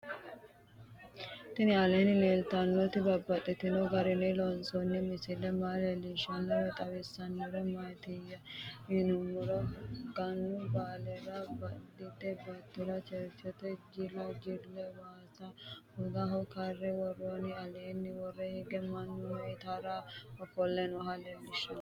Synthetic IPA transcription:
t̪ɪnɪɐleːnɪleːlt̪ɐnːɔt̪ɪbɐbːɐt̪ʼːɛt̪ːɪnoɡɐɾɪlelɔnsɔnːɛmɪsɪlːɛmaːlɛliʃɐnːɔɛt̪ʼɐwɛsːɐnːɔɾɛmɐjt̪ɪjɐɪnʊmːʊɾɐɡɐnːʊbaːlɛɾɐbɐd̪ɪt̪ːɛbɐt̪ːɪɾɐt͡ʃɛɾt͡ʃːɛt̪ɛd͡ʒɪlɐd͡ʒɪlɛwaːsɐɔɡ̪aɦɐwkɐrːɛwɐrʊɐnɪɐleːnːɪwɔrɛhɛɡɛmɐnːʊmɐt̪aɾɐɔfɔlːɛnwɔɦɐleːlːɪʃɐn

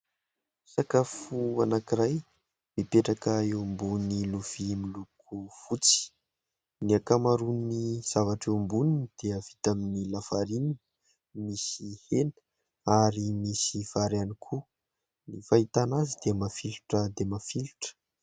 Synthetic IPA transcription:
sakafuanakiɾaj | mipeʈ͡ʂakəewmbuniluv̥imilukʰufut͡si̥ | niakamaɾuniz̥avaʈ͡ʂewmbuninid̪̥eav̥it̪aminilafaɾini | misihenə̥ | aɾimisiv̥aɾanikʰu | nifaɦit̪anazid̪̥emafiluʈ͡ʂəd̪emafilu̥ʈ͡ʂə̥

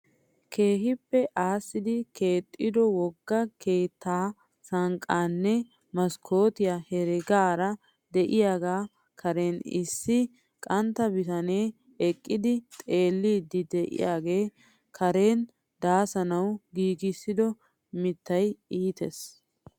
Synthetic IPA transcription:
kʰe̞ːɦɪpːɛʔaːsːɪd̪ɪke̞ːt̪ʼːɪd̪ɔwɔɡːɐkʰe̞ːt̪ʰːaː | sɐŋkʼːaːnːɛ | mɐskʰo̞ːt̪ɪjahɛɾɛɡaːɾɐ | d̪ɛʔɪjaːɡaː | kʰɐɾe̞ːnɪsːɪ | kʼɐnt̪ːɐbɪt̪ɐne̞ː | ɛkʼːɪd̪ɪt̪ʼe̞ːlːiːd̪ːɪd̪ɛʔɪ̰jaːɡe̞ː | kʰɐɾe̞ːn | d̪aːsɐnɐwɡiːɡɪsːɪd̪ɔ | mɪt̪ːɐjiːt̪es

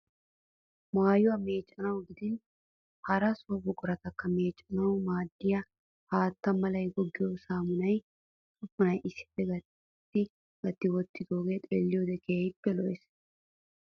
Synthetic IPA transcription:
maːjʊwɐme̞ːt͡ʃʼːɐnɐwɡɪd̪ɪn | hɐɾɐsobɔɡʼɔɾɐt̪ɐkːɐme̞ːt͡ʃʼːɐnɐwmaːd̪ːɪjɐ | haːt̪ːɐmɐlɐjɡɔɡːɪjɔsaːmʊnɐj | sʼʊfʊnɐjʔɪsːɪ̥pːɛɡɐ | t̪ːɪ | ɡɐt̪ːɪwɔt̪ːɪd̪oːɡet̪ʼelːɪjɔd̪ɛkeːjɪpːɛlɔʔɛs

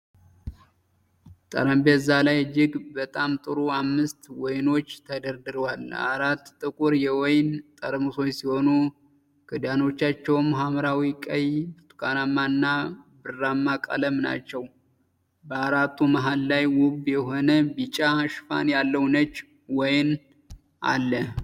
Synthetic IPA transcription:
t̪ʼə̰ɾəmbezːalajd͡ʒːɪɡbət̪ʼamt̪ʼɨɾuamːɨst̪wɔjno̞t͡ʃːt̪ʰəd̪əɾd̪ɨɾwala̰ɾat̪ːʼɨkʼuɾjɛwɔjnt̪ʼəɾəmuso̞jsiho̞nu | kɨd̪ano̞t͡ʃːat͡ʃːɛwmɦamɾawikʼəjt̪ʰu̥kanamːaɨnːabɨrːamːakʼa̰ləmna̰t͡ʃːɛw | bəaɾat̪ʰːumaɦalːajwʊbjɛho̞nəbit͡ʃʼaʃfa̰njalːəwnət͡ʃː | wɔjn | ʔa̰lːə

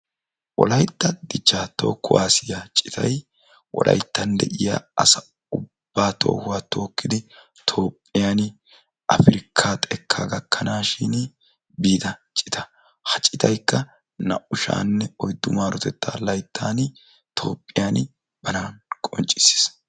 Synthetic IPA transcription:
wʔɔ̰lɐjt̪ːɐd̪ɪt͡ʃːaːt̪o̞̰ːkːʊwa̰ːsɪjat͡ʃʼɪt̪ʰɐ̰j | wʔɔ̰lʔɐ̰jt̪ːɐnd̪ɛ̰ʔɪja̰ːɐsɐ | ʊb̥ːaːt̪ʰo̞̰ːhʊwaːt̪ʰo̞ːkːɪd̪ɪ | t̪ʰoːpʼːɪjaːn | ʔɐfɪɾɪkʰːaːt̪ʼɛkʰːaːɡɐkʰːɐnaːʃin | biːd̪ɐt͡ʃʼɪ̥t̪ʰɐ | hɐt͡ʃʼɪt̪ɐjkːɐ | nɐʔʊʃa̰ːnːɛɔjd̪ːʊmaːɾɔt̪ɛt̪ːa̰ːlɐjt̪ʰːaːn | t̪ʰo̞ːpʼːɪjaːn | b̥ɐnaːnkʼɔnt͡ʃʼɪ̥sːi̥s

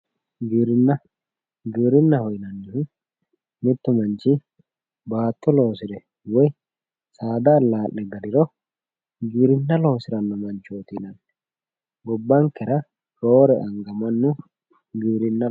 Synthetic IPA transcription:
ɡiːɾɪnːɐ | ɡiːɾɪnːɐhɔjnɐnːɪhʊ | mɪt̪ːɔmɐnt͡ʃɪ | baːt̪ːɔlo̞ːsɪd̪ɛ | wɔj | saːd̪ɐːlːaːʔɛɡɐd̪ɪɾɔ | ɡiːɾɪnːɐloːsɪɾɐnːɔmɐnt͡ʃoːt̪inɐn | ɡɔbːɐŋkɛɾɐ | ɾoːɾɛʔɐŋɡɐmɐnːʊ | ɡiːɾɪnːɐ

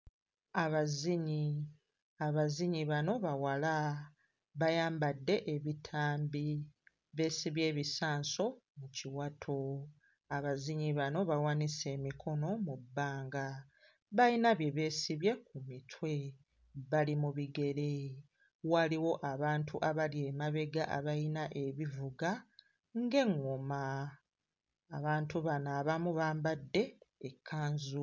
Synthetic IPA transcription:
aβaziɲi | aβaziɲiβano̞βawala | βajaːmbadːe̞ʔeβitʰaːmbi | βe̞ːsiβje̞ːβisaːnso̞muciwatʰo | aβaziɲiβano̞βawanise̞ːmikʰo̞no̞mubːaːŋɡa | βajinaβje̞βe̞ːsiβje̞k̚umitʰwe̞ | βalimuβiɡe̞ɾe̞ | waliwo̞ʔaβaːntʰuʔaβalje̞maβe̞ɡaʔa̰βajinaʔe̞βivuɡa | ŋɡe̞ŋːoma | βaːntuβanaːβamuβaːmbadːe̞ːkʰːaːnzu

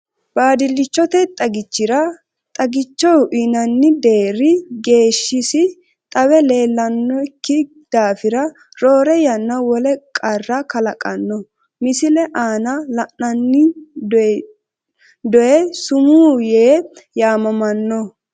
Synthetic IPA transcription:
baːd̪ɪlːɪt͡ʃːɔt̪ɛt̪ʼɐɡɪt͡ʃːɪɾɐ | t̪ʼɐɡɪt͡ʃːɔwʔɪnɐnːɪd̪e̞ːɾɪɡe̞ːʃːɪsɪ | t̪ʼɐwɛle̞ːlːɐnːɔkːɪ | d̪̥aːfɪɾɐ | ɾoːɾɛjɐnːɐwɔlɛkʼɐrːɐkɐlɐkʼɐnːɔ | mɪsɪlɛʔaːnɐlɐʔɐnːɪ | d̪ɔɛsʊmuːjeːjaːmɐmɐnːɔ

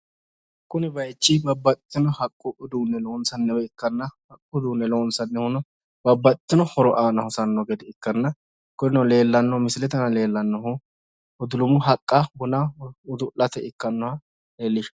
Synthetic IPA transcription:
kːʊnɪbɐjt͡ʃːɪbɐbːɐt̪ʼɪt̪ːɪnɔhɐkʼːʊʔʊd̪uːnːɛloːnsɐnːɛwɛɪkːɐnːɐhɐkʼːʊd̪uːnːɛloːnsɐnːɛhʊnɔ | bɐbːɐt̪ʼɪt̪ːɪnɔhɔɾɔʔaːnɐhʊsɐnːɔɡed̪ɪɪkːɐnːɐ | kʊnɪnɔle̞ːlːɐnːɔmɪsɪlɛt̪ɐnɐle̞ːlːɐnːɔɦʊ | ʊd̪ʊlʊmʊɦɐkʼːɐbʊnɐʊd̪ʊlːɐt̪ɛʔɪkːɐnːɔhɐ | leːlːɪʃ

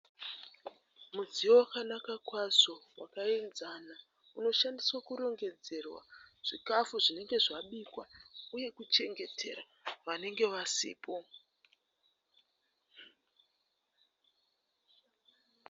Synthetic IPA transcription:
muziowakanakakwazo̞wa̰kaenzana | uno̞ʃandiswakuɾo̞ŋɡe̞d͡ze̞rwa̰ʐ̥ikafuʐine̞ŋɡe̞ʐaɓikwauje̞kut͡ʃe̞ŋɡe̞tʰe̞̰ɾa | ʋane̞ŋɡe̞ʋasḭːpʰo̞

